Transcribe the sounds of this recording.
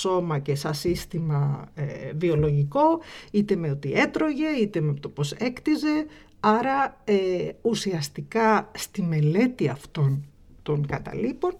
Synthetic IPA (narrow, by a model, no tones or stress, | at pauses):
so̞mɐcesɐsist̪imɐevio̞lo̞ʝiko̞it̪e̞meot̪iʔe̞t̪ɾo̞ʝe̞it̪emet̪opo̞se̞kt̪ize̞ | ɐɾɐeusiɐst̪ikɐst̪ime̞le̞t̪iɐft̪o̞n | t̪o̞ŋkɐt̪ɐ̰lipo̞n